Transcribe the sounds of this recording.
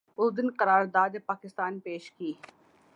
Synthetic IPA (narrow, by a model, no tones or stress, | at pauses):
ʊzd̪ɪnkəɾaːɾd̪aːd̪epaːkɪst̪aːnpeːʃkiː